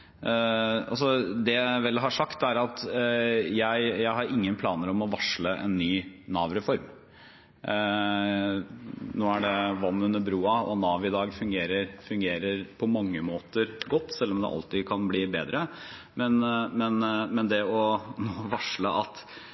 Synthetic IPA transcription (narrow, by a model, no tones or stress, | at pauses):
ɑ̰lsɔd̪ɛʋɛlɦɑʂɑkt̪æɾɑt̪ | jæɪjæɪɦɑɾɪŋːənpʰlɑːnəɾɔmɔʋɑʂɭəʔɛ̰nːyːnɑːʋɾɛfɔɾm | noːæɖɛʋɑnːʉnːəbɾuːɑɔ̰nɑːʋɪd̪ɑːɡfʉŋɡeːɾəɾfʉŋɡeːɾəɾpʰɔmɑŋːəmoːt̪əɾɡɔt̪ːsɛlːɔmd̪ɛ̰ʔɑ̰lt̪ɪkʰɑnbliːbeːd̪ɾə | mɛnmɛnmɛnd̪ɛɔnoːʋɑʂləʔɑt̪